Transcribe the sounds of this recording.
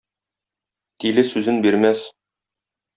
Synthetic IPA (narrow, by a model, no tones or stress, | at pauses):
t̪ilɘsʉzɘnbiɾmæs